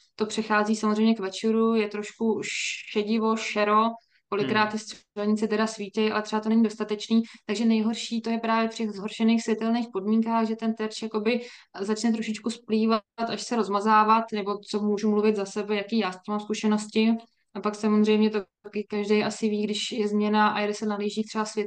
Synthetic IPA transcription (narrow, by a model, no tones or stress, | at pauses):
t̪o̞pr̥ɛxaːziːsamozrɛjmɲɛkvɛt͡ʃɛɾujɛt̪ɾo̞ʃkuɛɟɪvo̞ʃɛɾo̞ | ko̞lɪkːɾaːt̪ːɪsɛlɲɪt͡sɛt̪ɛdasviːcɛjʔa̰lɛt̪r̥ɛbat̪onɛɲɪdo̞st̪at̪ɛt͡ʃniːt̪aɡʒɛnɛjɦo̞ɾʃiːt̪o̞jɛpɾaːvjɛftɛɣzɦo̞ɾʃɛniːxsvjɛt̪ɛlniːxpo̞dmiːŋkaːɣʒɛt̪ɛnt̪ɛɾt͡ʃjako̞bɪzat͡ʃnɛt̪ɾoʃɪt͡ʃkuspliːvat̪aʃsɛɾo̞zmazaːvat̪nɛbo̞t͡somuːʒumluvɪt̪zasɛbɛjakiːjaːsciːmaːmskuʃɛno̞scɪ | ʔapaksamozr̝ɛjmɲɛt̪o | kɪkaʒdɛjʔasɪviːɡdɪʃjɛzmɲɛnaʔa̰jɛdɪsɛnaɦliːʒiːt̪r̥ɛbasvjɛt̪